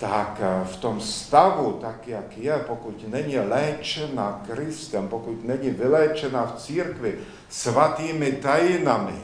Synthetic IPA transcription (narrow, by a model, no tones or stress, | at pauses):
t̪akft̪ɔmst̪aʋut̪akjakjɛpɔkucnɛɲilɛːt͡ʃɛnakɾist̪ɛmpɔkucnɛɲiʋilɛːt͡ʃɛnaːft͡siɾkʋi | sʋat̪iːmit̪ajinamḭ